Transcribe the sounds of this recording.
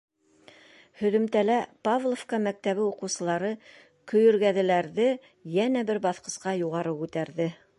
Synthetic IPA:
hɵ̆ðɵ̆mt̪ælæpavlˠofkɑmæk̚t̪æβɘuqɤ̆wsɤ̆lˠɑɾɤ | kɵ̆jɵ̆ɾɡæðɘ̆læɾðɘ | jænæbɘɾbɑθqɤ̆sqɑjuʁɑɾɤʉt̪æɾðɘ

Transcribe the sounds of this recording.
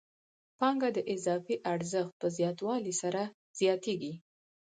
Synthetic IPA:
pɑŋɡad̪əʔɪzɑfiʔaɾzəxt̪̚pəzjɑt̪wɑlisaɾa | z̥jɑt̪eɡi

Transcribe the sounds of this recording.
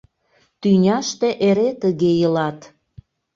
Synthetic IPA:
t̪ynʲɑʃt̪eʔeɾet̪əɣejəlɑt̪

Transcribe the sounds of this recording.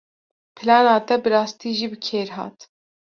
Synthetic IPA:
pʰɨlɑːnɑːt̪ɛbɨɾɑːst̪iːʒiːbɨkʰeːɾɦɑ̰ːt̪

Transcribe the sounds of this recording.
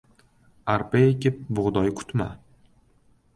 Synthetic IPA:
aɾpekʲɪp̚bʊʁd̪ɒjkʰʊ̥t̪ma̰

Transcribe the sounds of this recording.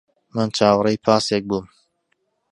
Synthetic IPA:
mɨnt͡ʃʰaːwrˤejpʰaːsek̚buːm

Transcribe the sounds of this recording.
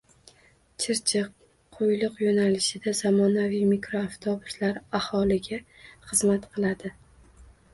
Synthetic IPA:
t͡ʃʰɪɾt͡ʃʰɪq̚ʰː | ojlˠɨqjonalɪʃɪd̪az̥amɒnavijmɪkɾoːft̪ʰɒbʊslaɾahɒlˠɪɡʲaχɨzmat̪qʰɨlˠad̪ɪ

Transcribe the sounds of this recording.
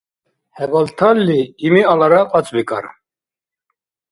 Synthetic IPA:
hɛbalt̪ʰalːiːmialaɾaqʼat͡sʼbikʼa̰ɾ

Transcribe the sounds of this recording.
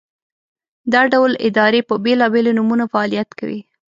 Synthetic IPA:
d̪ɑɖawlɪ̰d̪ɑɾepəbelɑbelonumunafaːlijat̪kawḭ

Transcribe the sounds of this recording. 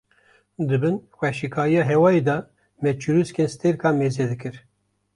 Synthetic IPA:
d̪ɨbɨnxʷɛʃikʰɑːɾijɑːɦɛwɑːjed̪ɑ | mɛt͡ʃʰuɾuskenst̪ʰeɾkɑːmeːzɛd̪ɨkɨɾ

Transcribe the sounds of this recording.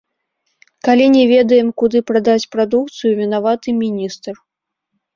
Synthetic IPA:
kalʲinʲɛvʲɛd̪ɐjɛmkud̪ɨpɾad̪at͡sʲpɾad̪ukt̪sɨjuvʲɛnavat̪ɨmʲinʲist̪r

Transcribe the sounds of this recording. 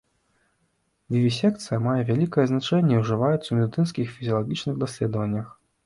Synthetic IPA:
vʲivʲisʲɛk̚t̪sɨjɐmajɛvʲalʲikɐjɛznat͡ʂɛnʲːɛiwʐɨvajut̪swmʲɛd̪ɨt̪ɨnskʲixfʲizʲiɐlˠaɣʲit͡ʂnɨɣd̪asʲlʲɛd̪ɐvɐnʲːɐx

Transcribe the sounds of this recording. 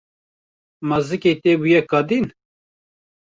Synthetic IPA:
mɐzɨket̪ebujɛkɑd̪in

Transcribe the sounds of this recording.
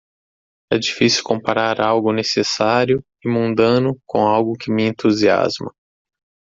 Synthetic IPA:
ɛ̰d͡ʒifisiwkõpaɾaɾawɡʊnesesaɾjʊ | ɪmũnd̪ɐ̃nʊkõawɡʊkɪmɪẽnt̪uzia̰zmɐ

